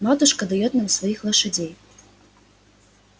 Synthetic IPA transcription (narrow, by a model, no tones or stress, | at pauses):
mat̪uʂkɐd̪ɐjɛt̪namsvajixlˠɐʂad͡zʲej